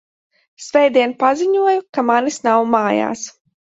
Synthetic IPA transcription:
svɛjd̪iɛnpaziɲuɔjukamanisnawmaːja̰ːs

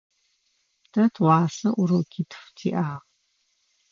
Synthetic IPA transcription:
tʰɐtʰwɑːsɐʔʊɾɐwkʰʲitʰftʰiːʔaːʁ

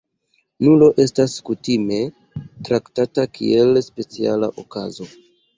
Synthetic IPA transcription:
nulo̞ʔe̞staskutime̞ | tɾaktatakʰḭe̞lspe̞t͡sia̰la̰ʔoka̰zo̞

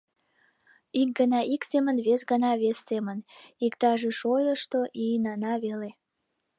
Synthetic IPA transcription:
ik̚ɡənɑʔiksemənβesɣənɑβesːemənikt̪ɑʒeʃojəʃt̪oʔinɑnɑβele

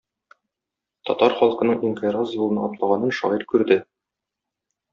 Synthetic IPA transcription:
t̪ɒ̰t̪ɑɾχɒlˠqɤ̆nɤɴinfeɾɑsjulˠɤ̆nɑɒplˠɑʁɑnɤnʃɒ̰ʁɤɾkʉɾd̪ɘ

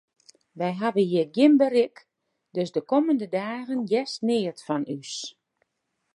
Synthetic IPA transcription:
ʋɛjɦadənɦiəɡjɪmbərɪk | døsdəkoməndədaːɣənjɛstnɪːətfɔnys

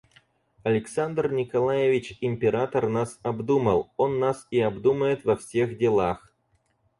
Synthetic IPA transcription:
ɐlʲɪksand̪rnʲɪkɐlˠajɪvʲɪt͡ɕɪmʲpʲɪɾat̪ərnasɐbd̪umə̰lˠo̞nːasiɐbd̪uməjɪt̪vɐfsʲexdʲɪlˠax

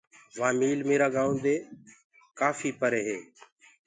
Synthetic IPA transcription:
ʋãːmiːlmeːɾaːɡaːũnd̪eː | kaːfiːpəɾeːɦeː

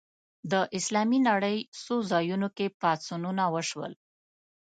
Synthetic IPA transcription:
d̪əʔɪslɑminaɽəjsozɑjunokepat͡sununawəʃwə̰l

